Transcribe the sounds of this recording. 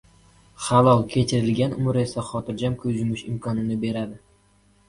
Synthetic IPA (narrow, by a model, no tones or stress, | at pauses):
χalˠɒlˠkʲʰe̞t͡ʃʰɪɾɪlɡʲanʊmɾe̞saχɒt̪ʰɪɾd͡ʒamkʲʰɵzʊmɪʃɪmkʰɒnɪnɪbe̞ɾad̪ɪ